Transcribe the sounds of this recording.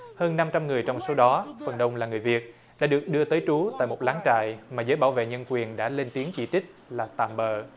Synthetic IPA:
həː˧nːa˧mt͡ɕa˧mŋɨ˨˩əjt͡ɕɔ˧wŋ͡mso˨˦ɗɔ˨˦fə˨˩nɗə˧wŋ͡mlaː˨˩ŋɨ˨˩əjvi˨˩ət̚ | ɗa̰ː˧˥ɗɨ˨˩ək̚ɗɨ˧ət̪əː˨˦jt͡ɕu˨˦t̪a̰ː˧˨jmo˨˩t̚laː˨˦ŋt͡ɕa̰ː˧˨jmaː˨˩zəː˨˦jɓaː˧˩wvḛ˧˨ɲə˧nkwi˨˩ənɗa̰ː˧˥le˧nt̪i˨˦əŋt͡ɕi˧˩t͡ɕï˦˥k̟̚laː˨˩t̪a̰ː˧˩mɓəː˨˩

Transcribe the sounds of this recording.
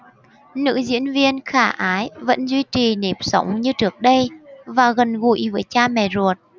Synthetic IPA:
nɨ̰˧˥zḭ˧˥ənvi˧ənxaː˧˩ʔaː˨˦jvə̰˧˥nzwi˧t͡ɕi˨˩ne˨˩p̚sə˨˦wŋ͡mɲɨ˧t͡ɕɨ˦˥˩ək̚ɗə˧jvaː˨˩ɣə˨˩nɣṵ˧˩˥jvəː˨˦jt͡ɕaː˧mɛ̰˧˨˩zu˨˩ət̚

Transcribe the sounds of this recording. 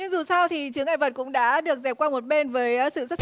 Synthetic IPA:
ɲɨ˧ŋzu˨˩sa˧wt̪ʰi˨˩t͡ɕɨ˨˦əŋʔaː˧˩jvə˨˩t̚kʊ̰˧˥ŋ͡mɗa̰ː˧˥ɗɨ˨˩ək̚zɛ˨˩p̚kwaː˧mo˨˩t̚ɓe˧nvəː˨˦jsɨ̰˧˨swə˦˥t̚

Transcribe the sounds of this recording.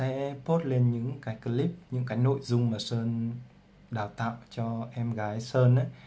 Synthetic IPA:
sɛ̰˧˥po˦˥t̚le˧nɲɨ̰˧˥ŋkaː˨˦jkə˧li˦˥p̚ɲɨ̰˧˥ŋkaː˨˦jno̰˧˨jzʊ˧ŋ͡mmaː˨˩səː˧n | ɗaː˨˩wt̪a̰ː˧˨wt͡ɕɔ˧ʔɛ˧mɣaː˨˦jsəː˧nʔa˨˦

